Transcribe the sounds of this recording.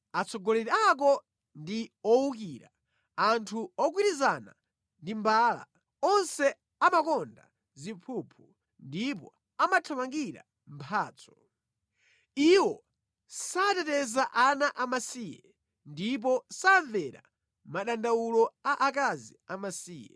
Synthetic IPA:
at͡sʰɔɡɔlɛɾak̬ɔ | ndiɔwuk̬iɾa | antʰuɔk̬wiɾizana | ndimbaːla̰ | ɔnsɛ | amakɔnda̰ | zimpʰupʰu | ndip̬ɔ | amatʰamaŋɡiɾa̰ | m̩pʰaːt͡sʰɔ̥ | iwɔ | satɛtɛzaʔanaʔamasijɛ̰ | ndip̬ɔsaɱvɛɾa̰ | maɗandawulɔaʔak̬aziamasiːjɛ̰

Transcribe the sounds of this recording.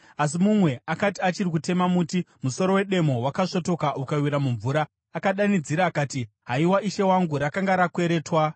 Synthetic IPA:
as̬imumwe̞akatiat͡ʃirikute̞mamutimuso̞ɾo̞we̞ɗe̞mo̞wakaʂo̞to̞kaʔukawiɾamuɱvuːɾaː | kaɗanid͡ziɾaːkaːti | ɦaiwaʔiʃe̞waŋɡuɾakaŋɡaɾakwe̞ɾe̞ːtwa

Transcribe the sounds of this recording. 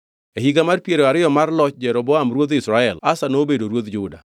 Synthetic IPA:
ehiɡamarpjeɾoaɾɪjɔmarlɔt͡ʃd͡ʒɛɾobɔamɾwod̪ɪsɾaɛlasanobedoɾwot̪d͡ʒʊda̰

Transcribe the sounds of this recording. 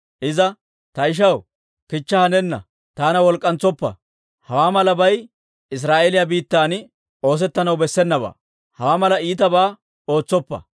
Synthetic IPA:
ʔɪzɐ | t̪ɐɪʃ̬ɐw | kɪt͡ʃːɐhɐnɛnːɐ̰ | t̪aːnɐwɔlkʼːɐnt͡sɔpːɐ̰ | hɐwaːmɐlɐbɐj | ɪs̬ɾaːʔelɪjabiːt̪ːaːn | o̞ːs̬ɛt̪ːɐnɐwbɛsːɛnːɐba̰ː | hɐwaːmɐlɐiːt̪ɐbaː | o̞ːt͡sːɔpːɐ̰

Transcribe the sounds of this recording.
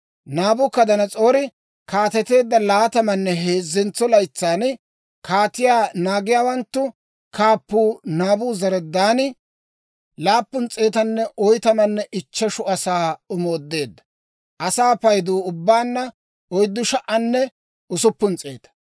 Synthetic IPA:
naːbʊkːɐd̪ɐnɐt͡sʼo̞ːɾɪ | kaːt̪ɛt̪e̞ːd̪ːɐlaːt̪ɐmɐnːɛɦeːzːɛnt͡sːɔlɐjt͡sːaːn | kaːt̪ɪjaːnaːɡɪjaːwɐnt̪ːʊ | kaːpːuːnaːbuːzɐɾɛd̪ːaːnɪ | laːpːʊnt͡sʼe̞ːt̪ɐnːɛʔɔjt̪ɐmɐnːɛʔɪt͡ʃːɐʃʊɐsaːʊmoːd̪ːe̞ːd̪ːɐ̥ | ʔɐsaːpɐjd̪uːʊbːaːnːɐ | ɔjd̪ːʊʃɐʔɐnːɛ | ʊsʊpːʊnt͡sʼḛːd̪ɐ̥

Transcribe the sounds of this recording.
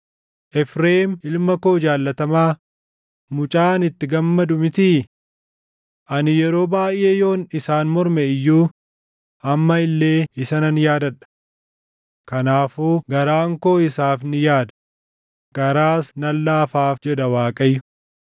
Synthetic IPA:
ʔɛfɾeːmɪlmɐko̞ːd͡ʒaːlːɐt̪ɐmaː | mʊt͡ʃʼaːnɪt̪ːɪɡɐmːɐd̪ʊmɪt̪iː | ʔɐnɪjɛɾo̞ːbaːjʔʔeːjo̞ːnɪsaːnmɔɾmɛɪjːuː | ɐmːɐɪlːe̞ːɪsɐnɐnjaːd̪ɐᶑɐ̥ | kɐnaːfuːɡɐɾaːŋko̞ːɪsaːfnɪjaːd̪ɐ̥ | ɡ̥ɐɾaːsnɐlːaːfaːfd͡ʒɛd̪ɐwaːkʼɐjːʊ̥

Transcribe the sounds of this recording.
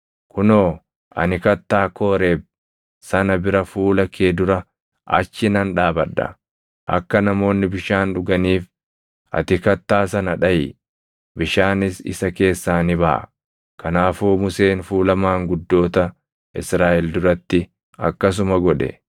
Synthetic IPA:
kʊnoː | ʔɐ̰nɪkɐt̪ːaːkʰo̞ːɾeːb̚ | sɐnɐbɪɾɐfuːlɐkʰeːd̪ʊɾɐ | ʔɐ̰t͡ʃːɪnɐnᶑaːbɐᶑːɐ̰ | ʔɐ̰kːɐnɐmo̞ːnːɪbɪʃaːnᶑʊɡɐniːf | ʔɐ̰t̪ɪkɐt̪ːaːsɐnɐᶑɐjɪ | bɪʃaːnɪsɪ̰sɐke̞ːsːaːnɪbɐʔɐ̰ | kɐnaːfuːmʊseːnfuːlɐmaːŋɡʊd̪ːo̞ːt̪ɐ | ɪsɾaːʔɛld̪ʊɾɐt̪ːɪ | ɐ̰kːɐs̬ʊmɐɡɔᶑɛ̰

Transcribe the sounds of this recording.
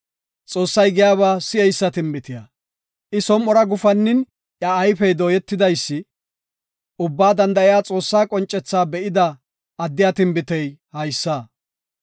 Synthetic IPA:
t͡sʼo̞ːsːɐjɡɪjaːβaːsɪɛjsːɐt̪ɪmbɪt̪ɪja | ʔɪsɔmːɔɾɐɡʊfɐnːɪn | ʔjjɐːjfɛjd̪oːjɛt̪ːɪd̪ɐjsːɪ | ʔʊbːaːd̪ɐnd̪ɐʔɪjaːt͡sʼo̞ːsːaːkʼɔnt͡ʃʼːɛt͡sːaːbɛʔɪd̪ɐ | ʔɐd̪ːɪjat̪ɪmbɪt̪ɛjhɐjsːaː

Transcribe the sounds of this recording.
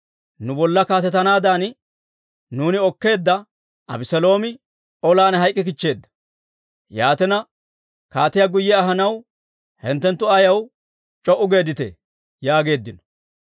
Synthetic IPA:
nʊbɔlːɐkaːt̪ɛt̪ːɐnaːd̪aːn | nuːnɪɔkːe̞ːd̪ːɐ | ʔɐ̰bɪsɛlo̞ːmɪ | ɔlaːnɦɐjkʼːɪk̬ɪt͡ʃːe̞ːd̪ːɐ̥ | jaːt̪ɛnɐ | kaːt̪ɪjaɡʊjːɛɐɦɐnɐw | hɛnt̪ːɛnt̪ːʊɐjɐw | t͡ʃʼɔʔʊɡe̞ːd̪ɪt̪ɛ̰ | jaːɡe̞ːd̪ːɪnɔ̥

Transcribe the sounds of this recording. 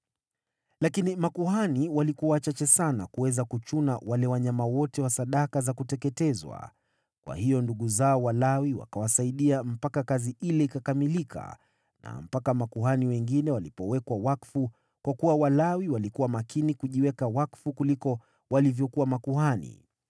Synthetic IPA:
lakinimakuhaniwalikuat͡ʃat͡ʃɛsana̰kuwɛzakut͡ʃunawalɛwaɲamawɔtɛwasaɗakazakutɛkɛtɛzwa̰ | kwa̰hijɔnduɠuzaɔwalawiwa̰kawasaiɗiam̩pakakaziʔilɛikakamilikʰa̰ | na̰m̩pakamakuhaniwɛŋɡinɛwalipɔwɛkwawakfu | kwakuwawalawiwalikuwamakinikuʄiwɛkawakfukulikɔ | walivjɔkuwamakuhanḭ

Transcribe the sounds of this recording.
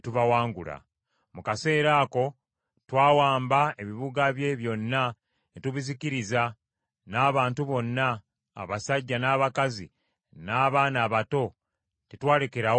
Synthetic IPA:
tuβawaːŋɡula̰ | mukase̞ːɾako̞ | twaːwaːmbae̞βiβuɡaβje̞βjo̞nːa | netuβiziciɾiza | naːβaːntuβo̞nːa̰ː | βasaɟːanaːβakazi | naːβaːnaːβato̞ | titwaːle̞keɾa

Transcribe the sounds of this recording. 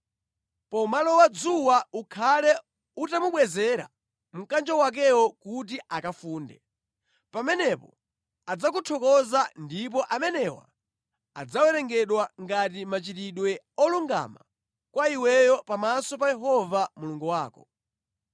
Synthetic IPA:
pɔmalɔwad͡zuwaukʰalɛ | utamuɓwɛzɛɾa̰ | m̩kand͡ʒɔwak̬ɛwɔkut̬iʔakafuːndɛ̰ | pamɛnɛpɔ | ad͡zak̬utʰɔkɔzandip̬ɔʔamɛnɛwa̰ | a̰d͡zawɛɾɛŋɡɛɗwaŋɡat̬imat͡ʃitiɗwɛ | ɔluŋɡa̰ma̰ | kwaiwɛjɔpamasɔpajɛɦɔvamuluŋɡuwaːkɔ̥

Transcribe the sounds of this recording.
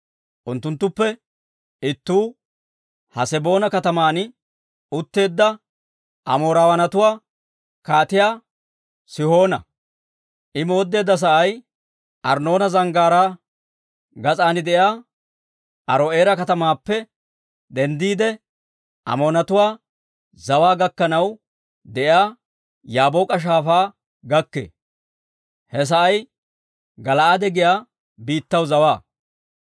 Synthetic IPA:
ʔʊnt̪ːʊnt̪ːʊpːɛ | ɪt̪ːuː | hɐsɛbo̞ːnɐkɐt̪ɐmaːnɪ | ʊt̪ːe̞ːd̪ːɐ | ʔɐ̰mo̞ːɾaːwɐnɐt̪ʊwaː | kaːt̪ɪjaː | sɪho̞ːnɐ̰ | ʔɪmo̞ːd̪ːe̞ːd̪ːɐs̬ɐʔɐj | ʔɐɾno̞ːnɐzɐŋɡaːɾaː | ɡɐt͡sʼaːnɪd̪ɛjaː | ʔɐɾoe̞ːɾɐkɐt̪ɐmaːpːɛ | d̪ɛnd̪iːd̪ɛ | ʔɐ̰moːnɐt̪ʊwaː | zɐwaːɡɐkːɐnɐw | d̪ɛʔjaː | jaːboːkʼɐʃ̬aːfaː | ɡɐkːḛː | hɛs̬ɐʔɐj | ɡɐlɐʔad̪ɛɡɪjaː | biːt̪ːɐwzɐwaː

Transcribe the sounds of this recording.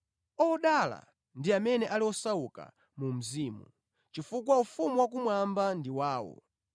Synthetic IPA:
ɔɗala̰ | ndiamɛnɛʔaliɔsauka̰ | mum̩ziːmu | t͡ʃifukwaufumiwak̬umwambandiwaːwɔ̰

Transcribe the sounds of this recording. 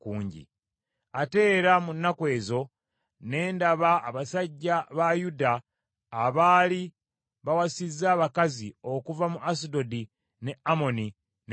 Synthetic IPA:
kuːɲɟḭ | ate̞ːɾamunːakwe̞ːzo̞ | ne̞ːndaβa̰ːβasaɟːaβajudaː | βaːli | βawasizːaːβakazio̞kuvamuʔasido̞di | ne̞amo̞ni | n

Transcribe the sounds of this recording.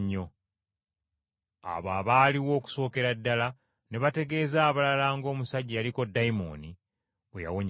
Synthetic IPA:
ɲːo̞ | a̰βaːβaːliwo̞ːku̥so̞ːke̞ɾadːala | ne̞βate̞ɡe̞ːzaːβalalaːŋɡo̞ːmusaɟialiko̞dːajmo̰ni | eja̰woɲ

